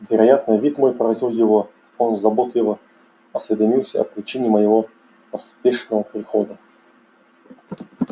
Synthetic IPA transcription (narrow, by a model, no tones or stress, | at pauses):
vʲɪɾɐjat̪nəjvʲit̪mo̞jpɾɾɐzʲilˠjɪvo | onzɐbot̪lʲɪvə | ɐsvʲɪd̪ɐmʲilˠsʲə̰ɐ̰pɾʲɪt͡ɕinʲɪməjɪvo̞ | ɐspʲeʂnəvəpɾʲɪxod̪ə